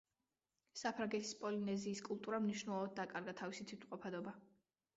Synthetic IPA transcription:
sapʰɾaŋɡɛt̪ʰi̥spʼɔlinɛziːskʼulˠt̪ʼuɾamniʃnɛlˠɔvad̪̚d̪ːakʼaɾɡat̪ʰavisit̪ʰit̪ʰqʼɔpʰad̪ɔba

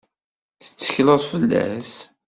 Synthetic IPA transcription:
θə̥t͡sːə̥çləðˤfəlːæ̰s

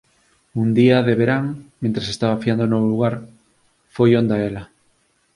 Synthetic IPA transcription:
und̪iaðeβeɾaŋmẽnt̪ɾesest̪aβafiand̪onoβoluɣaɾ | fojond̪aela

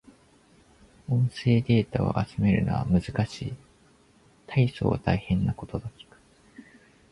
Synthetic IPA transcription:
õ̞ɰ̃se̞ːd̪e̞ːt̪ao̰ʔat͡sɨme̞ɾɯ̟no̞̰βa̰mɯ̟zɨkaɕḭː | t̪ʰaiso̞̰ːβat̪aihẽ̞nːako̞t̪o̞d̪okʲi̥kɯ̥

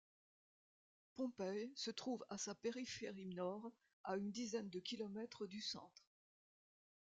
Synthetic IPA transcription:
pɔ̃pɛjsət̪χuvasapeʁifeʁinɔʁ | aynd̪izɛnd̪əkʲilɔmɛt̪χəd̪ysɑ̰̃t̪χ

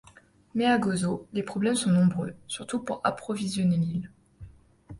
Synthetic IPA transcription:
mɛaɡɔzolepχɔblɛmsɔ̃nɔ̃bʁø̰syʁt̪upuʁa̰pχɔvizjɔnelil

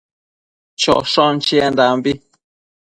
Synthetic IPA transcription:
t͡ʃɔ̰ʃɔn̩t͡ʃiɛndambi

